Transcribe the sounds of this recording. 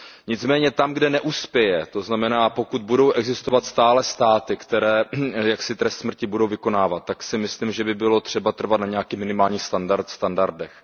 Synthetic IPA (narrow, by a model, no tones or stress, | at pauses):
ɲɪt͡smɛːɲɛt̪amɡdɛnɛʔuspjɛjɛt̪o̞znamɛnaːpo̞kud̪̚budo̞wʔɛɡzɪst̪ovat̪st̪aːlɛst̪aːt̪ɪkt̪ɛɾɛːjaksɪt̪ɾɛst̪smr̩cɪbudo̞wvɪko̞naːvat̪̚ːaksɪmɪslimʒɛbɪbɪlo̞t̪r̝̥ɛbat̪r̩vat̪naɲɛakiːxmɪnɪmaːlɲiːxst̪andaɾt̪st̪andaɾdɛx